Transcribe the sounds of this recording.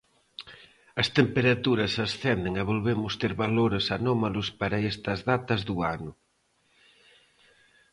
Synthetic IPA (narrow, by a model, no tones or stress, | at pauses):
ɐst̪empeɾat̪uɾɐsɐsθɛnd̪eŋɐβolβemʊst̪eɾβaloɾesanɔmalʊspaɾɐest̪ɐzðat̪ɐzðuanʊ